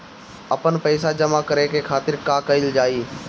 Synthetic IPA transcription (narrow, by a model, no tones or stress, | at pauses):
ɐpənpəːsad͡ʒəmakəɾekekʰaːt̪ɪɾkaːkɐɪld͡ʒaːiː